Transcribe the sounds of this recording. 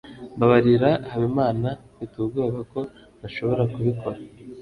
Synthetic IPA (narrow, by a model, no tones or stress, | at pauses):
mbaβaɾiɾahaβimaːna | witubɡoβako̞ | naʃo̞βo̞ɾakuβikʰo̞ɾa